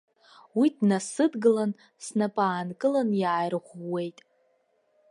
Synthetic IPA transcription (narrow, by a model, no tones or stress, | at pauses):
widnasɨdɡɨlan | snapʼaːnkʼɨlanjaːjrʁʷːe̞jtʼ